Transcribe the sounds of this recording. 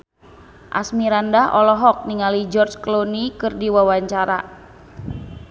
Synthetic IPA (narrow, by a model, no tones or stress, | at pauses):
ʔa̰smiɾandaʔɔlɔɦɔk̚niŋalid͡ʒɔrt͡ʃklonikɨrdiwawaɲt͡ʃaɾa̰